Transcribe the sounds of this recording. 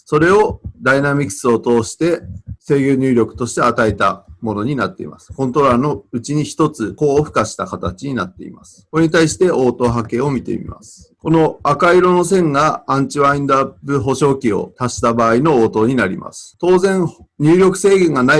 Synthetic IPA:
so̞ɾe̞o̞d̪ainamʲikɯ̥sɨo̞t̪o̞ːɕi̥t̪e̞se̞ːɡʲoːɲʲɨːɾʲo̞kɯ̟̥t̪o̞ɕi̥t̪e̞at̪aet̪a̰mo̞no̞ɲ̟inat̪ːe̞ḭmasɨ̥kõ̞nt̪o̞ɾaːno̞ɯ̟t͡ɕiɲ̟içi̥t̪o̞t͡sɨko̞ːɸɯ̟̥kaɕi̥t̪akat̪at͡ɕiɲ̟ina̰t̪ːe̞̰ḭma̰sɨ̥koɾe̞ɲ̟it̪aiɕi̥t̪e̞ʔo̞ːt̪o̞ːɦake̞o̞mʲit̪e̞̰mʲḭma̰sɨ̥ko̞no̞akaiɾo̞no̞sẽ̞ŋɡaãɲ̟t͡ɕiβaĩnd̪apɯ̟ɦo̞ɕo̞ːkʲio̞̰t̪aɕi̥t̪abaːino̞oːt̪o̞ːɲ̟inaɾʲḭma̰sɨ̥t̪o̞ːzẽ̞ɴɲ̟ʲɨːɾʲo̞kɯ̟se̞ːɡẽ̞ŋɡana

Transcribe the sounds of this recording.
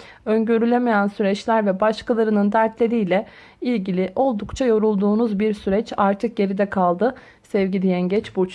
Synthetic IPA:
øɲɟøɾylʲemejænsyɾɛt͡ʃlʲæɾvɛbaʃkʰalˠaɾɯnɯnd̪æɾt̪ʰlʲe̞ɾijlʲɛ | ilʲɟilʲiʔo̞lˠd̪ukt͡ʃʰajo̞ɾulˠd̪uːnuzbiɾsyɾɛt͡ʃaɾt̪ʰɯk̚ɟe̞ɾid̪ɛkʰalˠd̪ɯ | sɛvɟilʲijæɲɟɛt͡ʃbut͡ʃ

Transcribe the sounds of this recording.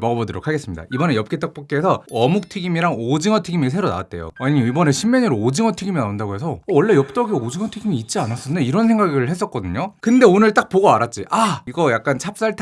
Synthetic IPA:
mʌɡʌbodoɾo̰kʰaɡes͈ɯmɲida̰ibʌnejʌp̚k͈et͈ak̚p͈ok̚k͈eesʰʌʌmuk̚tʰiɡimiɾaŋod͡ʑiŋʌtʰiɡimis̬ʰe̞ɾona̰wa̰t̚t͈e̞̰jo̰aɲiʌibʌne̞ɕʰimːeɲiɾood͡ʑiŋʌtʰiɡiminaundaɡoɦesʰʌːwʌɭːe̞jʌp̚t͈ʌɡiod͡ʑiŋʌtʰiɡimiːt̚t͡ɕ͈ianas͈ʌnːeiɾʌnsʰe̞ŋɡaɡɯɭhe̞s̬͈ʌk͈ʌdɯɲokɯnde̞onɯɭt͈ak̚poɡoaɾat̚t͡ɕ͈iʔaiɡʌjak̚k͈ant͡ɕʰap̚s͈aɭtʰ

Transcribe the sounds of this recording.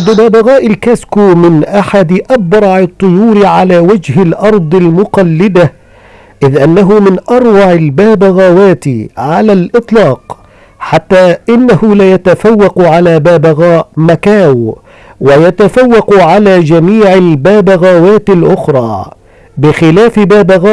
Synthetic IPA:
d̪ʊbaːbaɣaːʔɪlkaːskuːmɪnʔaħad̪ɪʔabɾˤɑʕɨt̪ˤːʊjuːɾɪʕalaːwad͡ʒhɪlʔɑɾˤd̪ˤɪlmʊqɑlːɪd̪a | ʔɪðʔanːaɦʊmɪnʔɑɾˤwɑʕɪlbaːbaɣaːwaːt̪ɪʕalalʔɨt̪ˤlɑːq | ħat̪ːaːʔɪnːahʊlajat̪afawːɑqʊʕalaːbaːbaɣaːʔmakaːw | wajat̪afawːɑqʊʕalaːd͡ʒamiːʕɪlbaːbaɣaːwaːt̪ɪlʔʊxɾˤɑː | bɪxɪlaːfɪbaːbaɣaː

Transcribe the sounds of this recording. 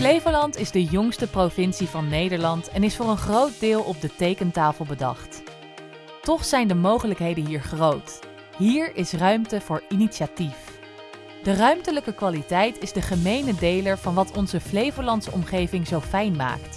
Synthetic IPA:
flejvəlɑntɪzdəjɔŋstəprovɪnsivɑnːejdəɹlɑntɛnɪsfʊːrənχrowt̚dɪːlˠʔɔb̚dətejkəntaːfəlˠbədɑ̰χt | tɔχsɛjndəmowχələkɦejdənɦiːɹχrowt | ɦiːɹɪsrœɥmtəv̥ʊːɹiniʃatif | d̥ərœɥmtələkəkʋaːlitɛjtɪzdəχəmejnədejləɹv̥ɑnʋɑtʰɔnzəflejvəlɑntsɔ̰mχejvɪŋzowfɛjnma̰ːkt

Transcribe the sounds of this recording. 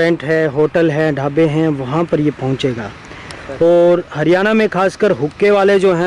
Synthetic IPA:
ɛ̃ɳʈɦɛ̃ɦoːʈəlɦɛ̃ɖʱaːbeɦɛ̃ʋɐɦãpɐɾjepɐɦʊ̃t͡ʃeːɡaː | ɔːɾɦɐɾijaːnamẽkaːskəɾɦʊkːeʋaːled͡ʒoːɦɛ̃

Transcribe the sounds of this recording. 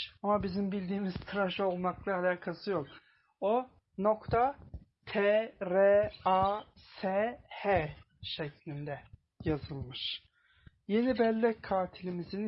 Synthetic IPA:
amabizimbilʲd̪iːmiz̥t̪ʰɯɾaʃo̞lˠmaklˠaalʲaːkʰasɯjo̞k | o | no̞kt̪ʰat̪ʰeɾeasehe | ʃeclʲind̪ɛ | jazɯlˠmɯʃ | je̞nibɛlʲːɛcʰːaːt̪ʰilʲimizin

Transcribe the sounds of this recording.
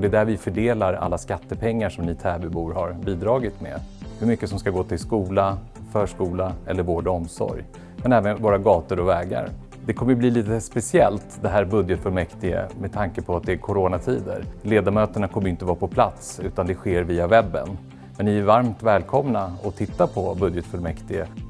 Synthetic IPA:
d̪ɛɛd̪æɾvɪfœɖeːlaɾa̰lːaskat̪ːəpʰɛŋːaʂɔmnɪt̪ʰɛːbɵbuːɾhaɾbiːd̪ɾɑːɡɪt̪mɛ̰hɵmʏkːəsɔmskaɡoːt̪ʰɪlskuːla | fœːʂkuːlaɛ̰lːəɾvoːɖɔmsɔ̰ɾj | mɛnɛːvənvoːɾaɡɑːt̪əɾɔvɛːɡa̰ɾ | d̪ɛkʰɔməjbliːliːt̪əspɛsɪɛlt̪d̪ɛɦæːɾbɵd̪jət̪fœlmɛkt̪ɪɡə̰mɛt̪ʰaŋkəpʰɔat̪̚d̪ɛːkʰʊɾoːnat̪ʰiːd̪ə̰ɾleːd̪aɾmøːt̪əɳakʰɔmːəjʏɪnt̪əvɑːɾapʰɔpʰlat̪sʉ̟ːt̪and̪ɛɧeːɾviːavɛbːə̰n | mɛnnɪæɾvaɾmt̪vɛːlkʰɔmnaɔt̪ʰɪt̪ːapʰɔbɵd̪jət̪fœlmɛkt̪ɪɡə̰

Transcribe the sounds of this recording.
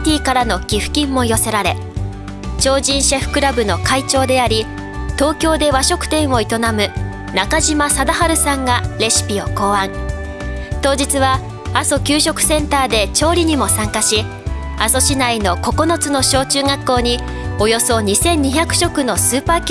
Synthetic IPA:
t̪ʲiːkaɾano̞kʲiɸɯ̟̥kʲĩmːo̞jo̞se̞ɾaɾe̞ | t͡ɕo̞ːʑĩɰ̃ɕeɸɯ̟̥kɯ̟ɾabɯ̟no̞kait͡ɕo̞ːd̪e̞aɾʲi | t̪o̞ːkʲo̞ːd̪e̞βaɕo̞kɯ̟̥t̪ẽ̞ɰ̃o̞it̪o̞namɯ̟ | nakaʑimasad̪aɦaɾɯ̟sãŋɡaɾe̞ɕi̥pʲio̞̰ko̞ːãŋ | t̪o̞ːd͡ʑit͡sɨβa | aso̞kʲɨːɕo̞kɯ̟̥sẽ̞nt̪aːd̪e̞t͡ɕo̞ːɾʲiɲ̟imo̞sãŋkaɕi | aso̞ɕinaino̞ko̞ko̞no̞t͡sɨno̞ɕo̞ːt͡ɕɨːɡakːo̞ːɲ̟i | o̞jo̞so̞ɲ̟isẽ̞ɲ̟ːiçakɯ̟̥ɕo̞kɯ̟no̞sɨːpaːkʲ

